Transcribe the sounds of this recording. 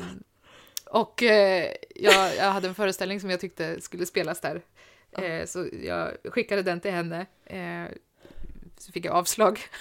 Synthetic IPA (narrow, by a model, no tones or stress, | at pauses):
ʔɔkː | jɑːjɑ̰had̪ːəɛnfœːɾəst̪ɛlnɪŋsɔmjaɡt̪ʏk̚t̪əskɵlːəspeːlasd̪æːɾ | sɔjɑ̰ːɧɪkːad̪əd̪ɛnt̪ɪlhɛnːə | sɔfɪk̬ːja̰ɑːvslɑːɡ